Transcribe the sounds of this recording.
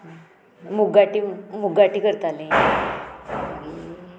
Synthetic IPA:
muɡaʈimuɡaʈiːkəɾt̪alẽ

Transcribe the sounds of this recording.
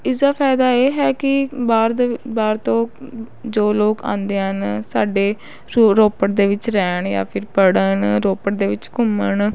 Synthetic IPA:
ɪsd̪aːpʰaːɪd̪aːeːɦɛːkɪbaːɾd̪baːɾt̪õː | d͡ʒoːloːkã̰ːnd̪eːɦənsaːɖeː | ɾoːpəʈ̚d̪eːʋɪt͡ʃɾɛːɳja̰ːpʰɪɾpəɽənɾoːpəʈ̚d̪eːʋɪt͡ʃkʊməɳ

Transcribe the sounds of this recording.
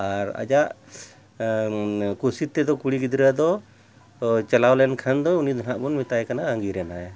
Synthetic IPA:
aɾa̰d͡ʒaʔ | kusit̪ɛd̪ɔkuɽiɡid̪ɾad̪ɔ | t͡ʃɛlawlɛnkʰand̪ɔunid̪ɔnaʔbɔnmɛt̪ajkanaɡaŋɡiɾɛnaj

